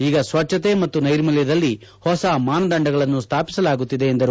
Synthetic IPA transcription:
iːɡɐsʋɐt͡ʃʃɐt̪e̞mɐt̪ːunɐjɾmɐljɐd̪ɐlːi | hɔsɐmaːnɐd̪ɐɳɖɐɡɐɭɐnːust̪ʰaːpi̥sɐlaːɡut̪ːid̪e̞ːnd̪ɐɾu

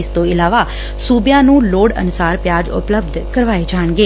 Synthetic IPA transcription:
st̪oɪlaːʋa | suːbjãnũːloːɽə̰nʊsaːɾpjaːd͡ʒʊ̰pləb̚d̪ʱkəɾʋaid͡ʒaːɳ̃ɡe

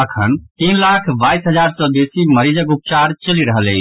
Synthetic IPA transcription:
əkʰənt̪inlakʰbajsɦəd͡ʒaɾsə̃b̪esiməɾid͡ʒəkup̚t͡ʃaɾt͡ʃəliɾəɦəlḛ

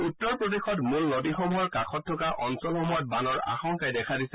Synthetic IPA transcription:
utːɔɹpɹodexɔtmulnodixomujɔɹkaxʰɔt̚ʰːɔkaʔɔnsɔlxɔmɔjɔt̚banɔɹa̰xɔŋkajdɛkʰadisɛ̥

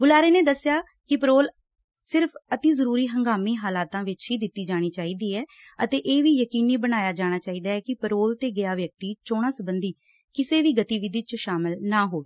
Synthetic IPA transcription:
ɡʊlaːɾeːneːd̪əsːɪjaː | kɪpəɾoːl | sɪɾpʰət̪iːzəɾuːɾiːɦəŋɡaːmiːɦaːlaːt̪ãːʋɪt͡ʃɦiːd̪ɪt̪ːiːd͡ʒaːɽ̃iːt͡ʃaːiːd̪iːɛː | ət̪eːʔeːʋiːjəkiːniːbəɽ̃aːjaːd͡ʒaːɽ̃aːt͡ʃaːiːd̪aːɛːkɪpəɾoːlt̪eːɡɪaːʋjək̚t̪iːt͡ʃoːɽ̃aːsəbənd̪iː | kɪseːʋiːɡət̪iːʋɪd̪iːt͡ʃʃaːmɪlnaːɦoːɡeː

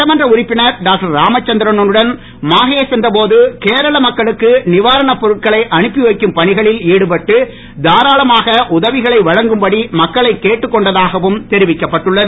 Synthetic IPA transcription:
ɐmɐndrɐʊɾɪpːɪnɐɾɖaːk̚ʈɐɾːaːmɐt͡ʃːɐnd̪ɪɾɐnɔnɯɽɐn | maːɣeɐsɛnd̪ɐp̬oːðɯkeːɾɐɭɐmɐkːɐɭɯkːɯnɪʋaːɾɐɳɐpɔɾɯʈ̚kɐɭɐɪʔɐɳɯpːɪʋɐɪkːɯmpɐɳɪɣɐɭɪliːɽɯpɐʈːɯ | d̪aːɾaːlɐmaːɣɐʔʊðɐʋɪɣɐɭɐɪʋɐɻɐŋɡɯmbɐɽimɐkːɐɭɐɪkːeːʈːɯkːɔɳɖɐðaːɣɐʋɯmt̪ɛɾɪʋɪkːɐpːɐʈːɯɭːɐðɯ

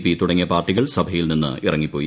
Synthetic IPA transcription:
pːit̪uɽɐŋːjɐpaːrʈːiɣɐɭsɐbʱɐjilninːɨ̰irɐŋːipːo̞ːji

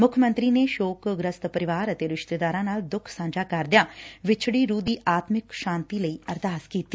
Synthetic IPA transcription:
mʊkʰmə̃nt̪ɾiːneːʃoːkɡɾəst̪pəɾɪʋaːɾət̪eːɾɪʃt̪eːd̪aːɾãːnaːld̪ʊkʰsãːnd͡ʒaːkəɾd̪ɪjãːʋɪt͡ʃʰɽiːɾuːd̪iːʔaːt̪mɪkʃaːnt̪iːləiːəɾd̪aːskiːt̪ːiː

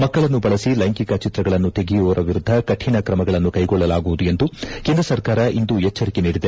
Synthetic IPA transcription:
mɐkːɐɭɐnːubɐɭɐsilɐjŋkikɐt͡ʃit̪ɾɐɡɐɭɐnːut̪e̞ɡijuʋɐɾʔɐʋiɾud̪ʱːɐkɐʈʰːinɐkɾɐmɐɡɐɭɐnːukɐjɡɔɭːɐlaːɡuʋud̪ue̞nd̪ukeːnd̪ɾɐsɐɾkaːɾɐʔind̪uɛt͡ʃːɐɾikeniːɽid̪e̞

